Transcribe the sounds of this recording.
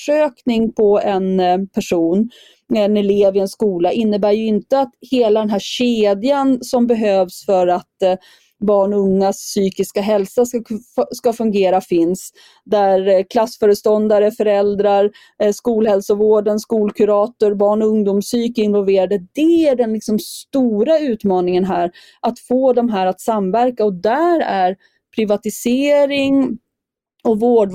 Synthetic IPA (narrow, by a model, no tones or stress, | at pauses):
ʂøːknɪŋpʰɔɛnpʰæʂuːn | nɛleːvɪɛnskuːlaʔɪnːəbæːɾjɵɪnt̪əat̪heːlad̪ɛnɦæːɕeːd̪jansɔmbɛɦøːvsfœɾat̪ | bɑːɳɔɵŋːasːyːkɪskaɦɛlsasskafɵŋɡeːɾafɪns | d̪æɾkʰlasːfœːɾəst̪ɔnd̪aɾəfœɾɛld̪ɾaɾ | ʂkuːlɦɛlsɔvoːɖənskuːlkʰɵɾɑːt̪ʊɾbɑːɳɔɵŋd̪ʊmsyːkəɪnvɔlveːɾad̪əd̪ɛæɖɛnlɪksɔmst̪uːɾaʉ̟ːt̪mɑːnɪŋənɦæːɾ | ʔat̪foːd̪ɔmɦæːɾat̪samvæɾkaɔd̪æɾæɾ | pʰɾɪvat̪ɪseːɾɪŋ | ɔvoːɖ